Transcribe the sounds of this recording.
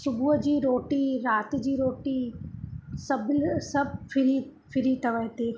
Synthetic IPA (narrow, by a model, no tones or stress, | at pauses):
ʃʊbuəd͡ʑiːɾoːʈiɾaːt̪ɪd͡ʑiːɾoːʈi | sɐbsɐbfɪɾi | fʰɪɾit̪ɐʋəɦt̪iː